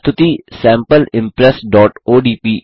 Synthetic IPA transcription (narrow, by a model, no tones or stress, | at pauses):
t̪ʰʊt̪iːsɛ̃ːmpəlɪ̃mpɾɛsɖɔːʈoːɖiːpiː